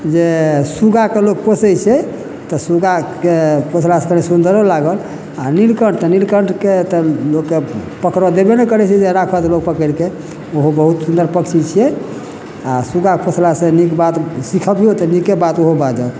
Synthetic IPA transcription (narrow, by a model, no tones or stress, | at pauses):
d͡ʒesuɡakelok̚posɛt͡ʃʰɛ | t̪ɔsuɡakepot͡ʃʰlasekəɾnesund̪əɾɔlaɡəl | anilkəɳt̪ɔnilkəɳʈket̪əlokːepəkɾɔd̪ebenɛkəɾɛt͡ʃʰɛd͡ʒeɾakʰɔt̪lok̚pəkəɾke | oɦobəɦut̪sund̪əɾpəkt͡ʃʰit͡ʃʰijɛ | asuɡakepot͡ʃʰlasenikbat̪sikʰəbiot̪ɔnikebat̪oɦobad͡ʒə